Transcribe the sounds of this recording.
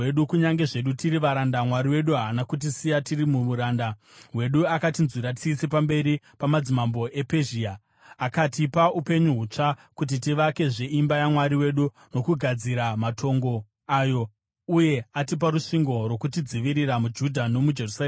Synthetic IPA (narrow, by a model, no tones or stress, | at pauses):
eɗukuɲaŋɡe̞ʐe̞ɗutiɾiʋaɾandamwaɾiwe̞ɗuɦaːnakut̬isijatirimuuɾaːnda | we̞ɗuakatinzwiɾati̥sisepambe̞ɾi | pamad͡zimambo̞ʔe̞peʒiːaː | katipaʔupe̞ɲuɦut͡ʂakut̬itiʋake̞ʐeimbajamwaɾiwe̞ɗu | no̞kuɡʱad͡ziɾamatʰo̞ŋɡo̞ | ajo̞ | uje̞atip̬aɾuʂiŋɡo̞rwo̞kutid͡ziʋiɾiramud͡ʒudʱano̞mud͡ʒe̞rusaː